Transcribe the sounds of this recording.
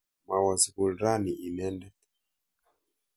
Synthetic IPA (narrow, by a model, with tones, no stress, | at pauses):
ma˨wa˨zi˨ku˨lɾa˦niʔi˨nɛ˦ndɛ˦